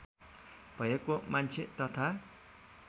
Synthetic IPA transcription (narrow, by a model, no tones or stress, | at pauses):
b̥ʱʌjekːomant͡sʰet̪ʌt̪ʰa